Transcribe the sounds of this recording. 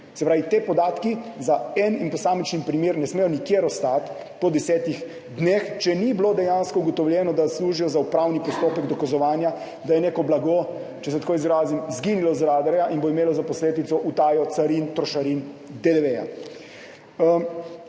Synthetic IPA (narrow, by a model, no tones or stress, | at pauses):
sɛpɾaːʋit̪eːpɔd̪aːt̪kizaɛninpɔsaːmit͡ʃnipɾimeːɾnɛsmejɔnikjeːɾɔst̪at̪ | pɔd̪ɛsɛːt̪ix | d̪next͡ʃɛniblod̪ɛjaːnskɔuɡɔt̪ɔwljɛːnɔd̪asluːʒijɔzaupɾaːwnipɔst̪oːpɛɡd̪ɔkazɔʋaːnja | d̪ajɛneːkɔblaɡo | t͡ʃɛsɛt̪akoːjizɾaːzimzɡinilɔzɾaːd̪aɾjaʔinboimeːlɔzapɔsleːd̪it̪sɔʔut̪aːjɔt̪saɾint̪ɾɔʃaɾin | d̪ed̪ɛʋeja̰